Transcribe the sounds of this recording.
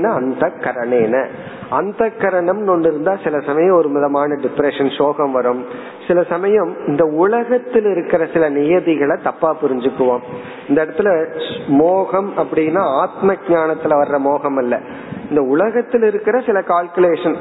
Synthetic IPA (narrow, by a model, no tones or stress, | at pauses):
nːaːɐnd̪ɐkːɐɾɐɳeːnɐ | ɐnd̪ɐkːɐɾɐɳɐmnɔɳɖɪɾɯnd̪aːsɪlɐsɐmɐjɐ̃mɔɾɯmɐðɐmaːnɐɖɪpɾɛʂɐnʂoːɣɐmʋɐɾɯm | sɪlɐsɐmɐjɐmɪnd̪ɐʊɭɐɣɐt̪ːɪlɪɾɯkːɪrɐsɪlɐnɪjɐðɪɣɐɭɐt̪ːɐpːaːpʊɾɪɲd͡ʒɯkːɯʋoːm | ɪnd̪ɐɽɐt̪ːɪlɐsmoːɣɐmɐpːɐɽɪjnːaːaːt̪mɐɡɲaːɳɐt̪ːɪlɐʋɐɾrɐmoːɣɐmɐlːɐ̰ | ɪnd̪ɐʊɭɐɣɐt̪ːɪlɪɾɯkːɪɾɐsɪlɐkaːlkɯleːʂɐn